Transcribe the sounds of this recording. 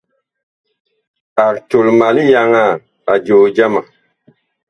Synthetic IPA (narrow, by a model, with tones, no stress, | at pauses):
a˨ɾto˨lma˨li˦ja˧ŋa˦˨ | a˨d͡ʒoː˨d͡ʒa˦ma˨